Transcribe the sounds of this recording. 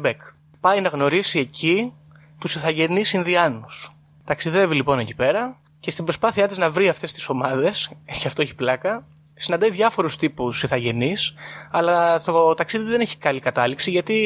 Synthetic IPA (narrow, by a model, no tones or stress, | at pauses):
bek | pɐjnɐɣno̞ɾisie̞ci | t̪usiθɐʝe̞nisinðiɐnus | t̪ɐksiðe̞vilipo̞ne̞ci̥pe̞ɾɐ | ce̞st̪ibɾo̞spɐθiɐt̪iznɐvɾiɐft̪e̞st̪i̥so̞mɐðe̞sçeɐft̪o̞eçi̥plɐkɐ | sinɐnd̪ɐiðʝɐfo̞ɾust̪ipusiθɐʝe̞nisɐlɐt̪ot̪ɐksiðiðe̞neçi̥kɐlikɐt̪ɐliksiʝɐt̪i